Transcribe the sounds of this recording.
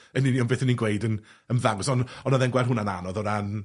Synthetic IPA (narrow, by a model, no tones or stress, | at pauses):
əniniɔnbeːθəninɡwejdən | ənvaŋsɔnɔnɔðɛnɡwɛlˠɦʊnananɔðɔɾan